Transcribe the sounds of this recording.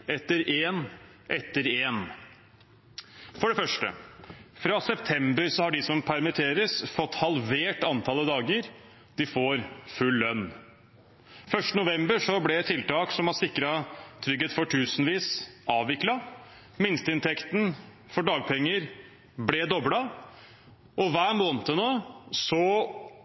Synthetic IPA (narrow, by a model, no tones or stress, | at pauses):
ɛt̪ːəɾeːn | ʔɛt̪ːəɾeːn | fɔɖɛfœʂʈə̰fɾɑsɛpt̪ʰɛmbəɾsɔhɑɖɪsɔmpʰæɾmɪt̪ʰeːɾəsfɔt̪ːhɑlʋeːʈɑnt̪ʰɑːlːəd̪ɑːɡəɾ | d̪̥ɪfoːɾfʉlːœnː | fœʂʈənʊʋɛmbəʂɔblɛt̪ʰːɪlt̪ɑːksɔmhɑsɪkːɾɑt̪ʰɾʏɡːəːt̪fɔʈʰʉːsnʋiːsɑːʋɪklɑ | mɪnst̪əɪnt̪ʰɛkt̪n̩ | fɔɖɑːɡ̚pʰɛŋːəɾ | blɛd̪ɔblɑ | ʔɔʋæːɾmoːnət̪ənoːsɔ